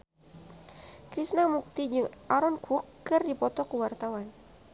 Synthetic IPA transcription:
kɾisnamuk̚t̪id͡ʒɨŋʔaɾɔnkʰukːɨrdipɔt̪ɔkəwart̪awan

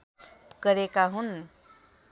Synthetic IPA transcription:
kəɾekaɦun

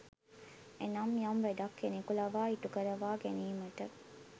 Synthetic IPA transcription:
enɐmjɐmʋeɖɐkːenikulɐʋaːiʈukɐɾɐʋaːɡeniːmɐʈɐ

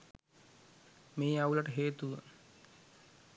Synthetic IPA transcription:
meːaulɐʈəɦeːt̪uʋə̰

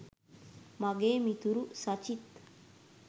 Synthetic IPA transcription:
maɡeːmit̪uɾusat͡ʃit̪

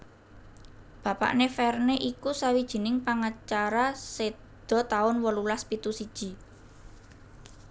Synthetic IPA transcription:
b̥ä̤pa̰ʔnefɛrneʔikusawid̥ʒ̥i̤nɪŋpaŋat͡ʃaɾase | d̪̥ɔ̤t̪aʊnwɔlulaspit̪usid̥ʒ̥i̤

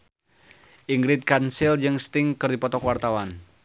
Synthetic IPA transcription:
ʔiŋɡɾɪt̪̚kansɪld͡ʒɨŋst̪ɪŋkərd̪ipɔt̪ɔkwart̪awan

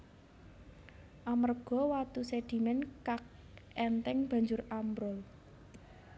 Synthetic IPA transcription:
ʔamərɡ̥ɔ̤wat̪used̪̥i̤mɛnkak̚ | ɛnt̪ɛŋb̥ä̤ɲd͡ʒʊrambɾɔl

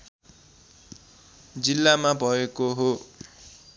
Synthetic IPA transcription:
d͡zilːamabʱʌekoɦo

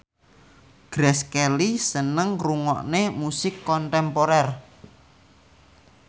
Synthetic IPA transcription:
ɡ̥ɾɛskɛlisənəŋruŋɔ̰ʔnemusɪkːɔnt̪ɛmpoɾɛr

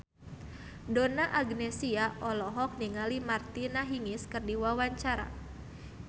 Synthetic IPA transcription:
donaʔaɡnɛsiaʔɔlɔɦɔk̚niŋalimart̪inaɦiŋɪskɨrdiwawaɲt͡ʃaɾa̰

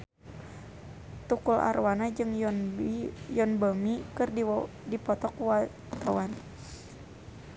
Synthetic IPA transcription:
t̪ukulʔa̰rwanad͡ʒɨŋ | jɔnbəmikɨrd | dipɔt̪ɔkwa | t̪awan

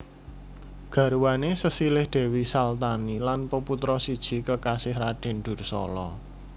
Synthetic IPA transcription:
ɡ̥a̤ɾuwanesəsilɪhɖ̥ɛ̤wisalt̪anilanpəput̪ɾɔsid̥ʒ̥i̤kəkasɪhɾaɖ̥ɛ̤nɖ̪̥ʊ̤rsɔ̰lɔ

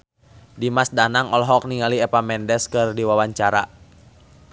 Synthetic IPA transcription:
dimasdanaŋɔlɦɔk̚niŋaliɛpamɛndɛskɨrdiwawaɲt͡ʃaɾa

